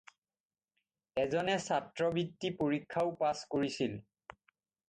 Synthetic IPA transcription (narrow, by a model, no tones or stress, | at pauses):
ɛzɔnɛsatɹɔbitːipoɹikʰːaʊpaskoɹisil